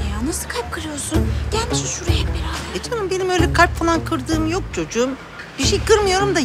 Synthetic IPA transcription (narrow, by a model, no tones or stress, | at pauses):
janasɯ̥kʰalʲp̚kʰɯɾɯjo̞ɾsunɟ̥ælʲmiʃinʃuɾajɛpbiɾaet͡ʃʰanɯmbe̞nimø̞jlʲɛkʰalʲpfalˠankʰɯɾd̪ɯːmjo̞k̚t͡ʃʰo̞d͡ʒuːm | biʃɛjkɯɾmɯjo̞ɾumd̪a